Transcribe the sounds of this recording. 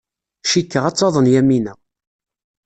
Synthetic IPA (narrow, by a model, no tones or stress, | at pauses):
ʃikːəʁɑt͡sːɑðˤənjæminə